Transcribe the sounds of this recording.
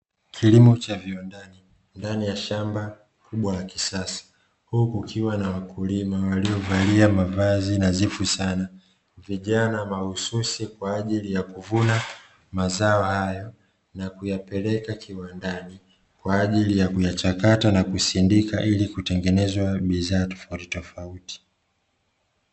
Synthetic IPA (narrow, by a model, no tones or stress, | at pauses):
kʰilimɔt͡ʃaviɔndani | ndanijaʃamba | kʰuɓwajaki̥sasḁ | hukukʰiwanawakulimawaliɔvaliamavazinazifusana | viʄanamahususikwaːʄilijakuvuna | mazaɔhajɔ | nakujapɛlɛkakʰiwandani | kwaːʄilijakujat͡ʃakatanakusindikaʔilikutɛŋɡɛnɛzwaɓiðaːtɔ̥fauti̥tɔfauti̥